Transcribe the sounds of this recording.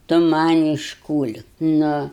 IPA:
ˈtʊ ˈmɐnʲ ɪʃkuːlʲkʲ nʊ

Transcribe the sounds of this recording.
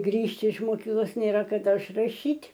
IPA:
ˈɡrʲiːʃʲtʲɪ ɪʃ moːˈkʲiːklˠoːs ˈnʲeːrɐ kɐˈdɐ ɪʃrɐˈʃʲiːtʲ

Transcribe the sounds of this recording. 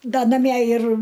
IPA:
ˈdɐ nɐˈmʲiɛ ɪr

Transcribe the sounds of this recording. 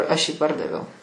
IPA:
ɐʃ jiː ˈpɐrdɐʋʲɛʊ

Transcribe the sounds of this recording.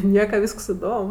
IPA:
ˈnʲiɛkɐ ˈʋʲiːsks ɪˈdoːm

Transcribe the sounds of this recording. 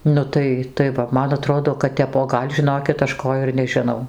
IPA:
ˈnʊ tɐɪ tɐɪ ˈʋɐ ˈmɐn ɐˈtroːdoː kɐt ˈtʲɛp oː ˈɡɐlʲ ʒʲɪˈnoːkʲɪt ˈɐʃ ˈkoː ɪr nʲɛʒʲɪˈnɐʊ

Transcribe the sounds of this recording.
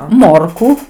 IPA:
ˈmoːrkʊ

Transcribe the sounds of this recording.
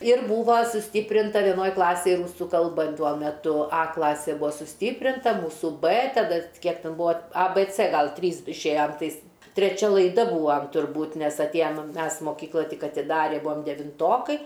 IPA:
ɪr ˈbuːʋɐ sʊˈsʲtʲiːpʲrʲɪntɐ ʋʲiɛˈnoːj ˈklˠɑːsʲeːj ˈruːsʊ kɐlˠˈbɐ ˈtuɔ mʲɛˈtʊ ˈɐ ˈklˠɑːsʲeː ˈbʊɐ sʊˈsʲtʲiːpʲrʲɪntɐ ˈmuːsʊ bɜ tɐˈdɐ ˈkʲiɛk ˈtʲɛn ˈbʊɐ ɐ bɜ t͡sɜ ˈɡɐlˠ ˈtʲrʲiːs ɪʃʲˈeːjɛm ˈtɐɪs tʲrʲɛˈt͡ʃʲɛ lˠɐɪˈdɐ ˈbuːʋɐm tʊrˈbuːt ˈnʲɛs ɐtʲˈeːjɛm ˈmʲɛs moːˈkʲiːklˠɐ ˈtʲɪk ɐtʲɪˈdɑːrʲɪ ˈbʊɐm dʲɛʋʲɪnˈtoːkɐɪ

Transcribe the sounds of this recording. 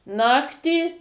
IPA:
ˈnɑːktʲiː

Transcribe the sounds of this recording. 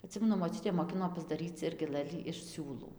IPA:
ɐˈtʲsʲɪmʲɛnʊ moːˈt͡ʃʲʊtʲeː moːˈkʲɪnoː pɐzdɐˈrʲiːt͡s ˈɪrʲɡʲɪ ˈlˠɘlʲiː ɪʃ ˈsʲuːlˠuː

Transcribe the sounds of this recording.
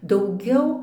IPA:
dɐʊˈɡʲɛʊ

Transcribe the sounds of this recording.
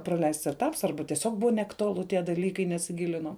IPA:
prɐˈlʲɛɪsts ɛˈtɐps ˈɐrbɐ tʲiɛˈsʲoːk ˈbʊʋɐ nʲɛɐktʊˈɑːlˠʊ tʲiɛ dɐˈlʲiːkɐɪ nʲɛsʲɪˈɡʲɪlʲɪnɐʊ

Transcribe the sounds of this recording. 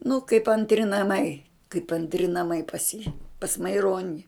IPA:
nʊ kɐɪp ɐnʲtʲˈrʲɪ nɐˈmɐɪ kɐɪp ɐnʲtʲˈrʲɪ nɐˈmɐɪ pɐs jiː pɐs mɐɪˈroːnʲɪ

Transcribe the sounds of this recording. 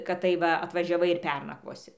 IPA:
kɐt ˈtɐɪp ʋɐ ɐtʋɐʒʲɛˈʋɐɪ ɪr ˈpʲɛrnɐkʋoːsʲɪ

